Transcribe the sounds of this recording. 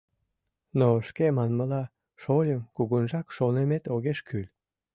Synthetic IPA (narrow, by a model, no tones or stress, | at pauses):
noʃkemɑnməlɑ | ʃolʲəmkuɣunʒɑkʃonemet̪oɣeʃkʰylʲ